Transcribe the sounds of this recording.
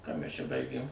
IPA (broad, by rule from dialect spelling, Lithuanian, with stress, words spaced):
kɑː mʲæs t͡ʃʲɛ ˈbɐɪɡʲeːm